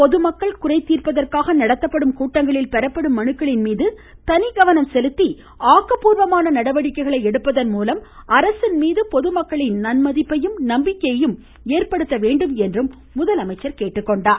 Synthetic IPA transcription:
pɔðɯmɐkːɐɭkʊrɐɪt̪ːiːrpɐðɐrkaːɣɐnɐɽɐt̪ːɐpːɐɽɯmkuːʈːɐŋɡɐɭɪlpɛɾɐpːɐɽɯmːɐnɯkːɐɭɪnmiːðɯ | t̪ɐnɪɡɐʋɐnɐmsɛlɯt̪ːi | aːkːɐpuːɾʋɐmaːnɐnɐɽɐʋɐɽɪkːɐɪɣɐɭɐɪɛɽɯpːɐðɐnmuːlɐmɐɾɐsɪnmiːðɯpɔðɯmɐkːɐɭɪnnɐnmɐðɪpːɐjɯmnɐmbɪkːɐjɐjɯm | eːrpɐɽɯt̪ːɐʋeːɳɖɯmɛndrɯmː | ʊðɐlɐmɐɪt͡ʃːɐɾkeːʈːɯkːɔɳɖaːɾ

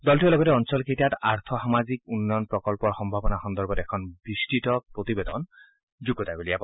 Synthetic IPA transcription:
dɔltuɛlɔɡɔtɛɔnsɔlkʰetijata̰ɹt̪ʰɔxamazikunːɔjɔnpɹɔkɔlpɔɹxɔmbʱabɔnaxɔndɔɹbɔtɛkʰɔnbɹistitɔpɹotibedɔ̰n | zuɡɔtaɡolijap

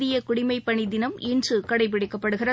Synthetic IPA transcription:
ɪjɐkʊɽɪmɐɪpːɐɳɪd̪ɪnɐmindrɯkɐɽɐɪp̬ːɪɽɪkːɐpːɐɽɯɣɪrɐ

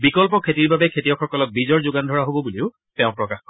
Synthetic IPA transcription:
bikɔlpɔkʰetiɹbabɛkʰetijɔkxɔkɔlɔk̚bizɔɹzʊɡandʱɔɹaɦobɔbuliʊ | tɛʊ̃pɹɔkaxkɔ

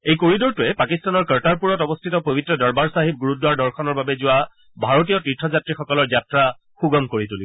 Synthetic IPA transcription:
ejkoɹidɔɹtʊɛpakistanɔɹkəɹtaɹpuɹɔtɔbɔstʰitɔpobitɹɔdɔɹbaɹsaɦib̚ɡuɹudwaɹdɔɹkʰɔnɔɹbabɛzʊwa | bʱaɹot̬ijɔtitʰːɔzatɹixɔkɔlɔɹzatɹa | xuɡɔmkoɹitulibɔ

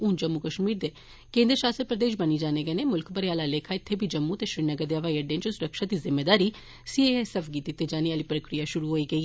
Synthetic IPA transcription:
uːnd͡ʒəmːukəʃmiːɾd̪eː | kẽːnd̪əɾʃaːsəɾpɾəd̪eːʃbəniːd͡ʒaːneːɡəneːmʊlkbəɾeaːlaːleːkʰaːɪt̪ʰːeːbʱiːd͡ʒəmːut̪eːʃɾɪnəɡəɾd̪eəʋaːiəɖẽnt͡ʃsʊɾəkʃaːd̪iːzɪmːeːd̪aːɾiː | sieɛsɛfʰɡiːt̪it̪ːeːd͡ʒaːniːaːliːpɾəkɾijaːʃʊɾuːɦoːiːɡəiː

